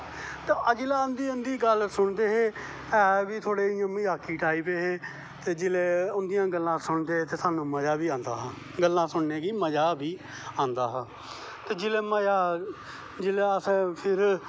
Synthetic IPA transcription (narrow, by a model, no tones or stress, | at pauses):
t̪eːʔəd͡ʒɪlaːʊnd̪iːʊnd̪iːɡəlsʊɳd̪eːɦeː | ɛːʋiːt̪ʰoːɽeːijãməd͡ʒaːkiːʈaːiːpeːɦeː | t̪eːd͡ʒɪleːʊnd̪ɪjãːɡəlːãːsʊɳd̪eːɦeːt̪eːsaːnːũːməd͡ʒaːʋiːãːnd̪aːɦãː | ɡəlːãːsʊɳneːɡiːməd͡ʒaːbiː | ãːnd̪aːɦãː | t̪eːd͡ʒɪleːməd͡ʒaː | d͡ʒɪleːəsẽpʰɪɾ